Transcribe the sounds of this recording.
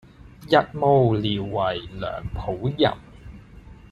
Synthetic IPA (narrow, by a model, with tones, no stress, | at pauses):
jɐ˧t̚mo˧wliː˨wːɐ˨˩jlœ̰ː˨˩ŋpʰo˨˥wjɐ̰˨˩m